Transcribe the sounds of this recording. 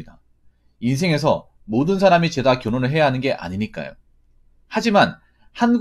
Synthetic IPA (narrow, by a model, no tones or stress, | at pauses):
ida | ins̬ʰe̞ŋe̞s̬ʰʌ | modɯns̬ʰaɾamit͡ɕe̞dakjʌnonɯɭɦe̞jaɦanɯnɡe̞ʔa̰ɲiɲik͈a̰jo̰ | had͡ʑiman | hanɡ